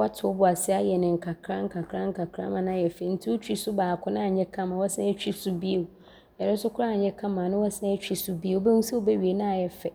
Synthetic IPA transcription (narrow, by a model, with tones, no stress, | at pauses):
wa˦tʰʊ˨ɔ˦bʊ˨a˨sɪ˦a˦jɛ˨nɪ̃˨ŋ̩˨kʰa˨kʰɾa˦ŋ̩˦kʰa˨kʰɾã˦ŋ̩˦ka˨kʰɾã̰˦mã˨nã˦˨jɛ˨fɛ˨n̩˦tʰi˦o˦t͡ɕᶣi˦sʊ˦baː˨kʰʊ˦nã˦a˨ɲɛ̃˦kʰã˦mã˨wɔ˦sã˦ɛ˦t͡ɕᶣi˦sʊ˦bi˦e˨ | ɛ˨nʊ̃˦n˦sʊ˦kʰʊ˦ɾa˦˨ɲɛ̃˦kʰã˦mã˨nʊ̃˦wɔ˦sã˦ɛ˦t͡ɕᶣi˦sʊ˦bi˦e˨˦be˦ŋu˦sa˦o˦bɛ˦ɥi˨e˨nã˦a˨jɛ˨fɛ˨